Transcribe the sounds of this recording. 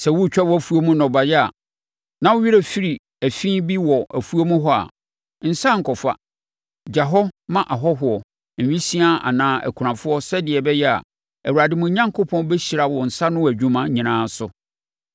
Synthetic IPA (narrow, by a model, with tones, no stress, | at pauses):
sɛ˨wʊ˦˨t͡ɕᶣɛ˦wɔ˦æ˦fu˦o˦mũ˦nɔ̃˨ba˨jɛ˦a̰˨ | nã˦wʊ˦ɥi˦ɾe˨fi˦ɾi˨ | æ˨fĩ˦bi˦wɔ˨ʔæ˨fu˦o˦mũ˦ɦɔ˦a̰˨ | n̩˨sã˦ŋ̩˨kʰɔ˨fa̰˦ | d͡ʑa˨ɦɔ˦mã˦ʔa˨ɦɔ˦ɦʊ˨ɔ˨ | m̩˨ĩ˦si˦a˦a̰˨nãː˦æ̰˨kʰu˨ɾã˨fʊ˦ɔ˦sɛ˦dɪ˨ɛ˨bɛ˦jɛ˦a̰˨ | æ˨wu˨ɾa˨dɪ˦mʊ̃˦ɲã˦ŋkʰo˦pʰɔ̃˦nbɛ˦ɕi˨ɾa˨wɔ˨n̩˨sa˦nʊ̃˦˨æ˨d͡ʑᶣũ˦mã˦ɲĩ˨nãː˦sʊ˦